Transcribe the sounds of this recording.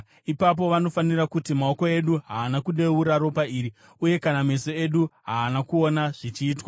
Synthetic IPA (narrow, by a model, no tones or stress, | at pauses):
ipap̬o̞ʋano̞fanirakutimao̞ko̞e̞ɗuɦaːnakuɗe̞uɾaɾo̞paiːɾi | uje̞kaname̞so̞e̞ɗuɦaːnakuo̞naʐ̥it͡ʃiːtwa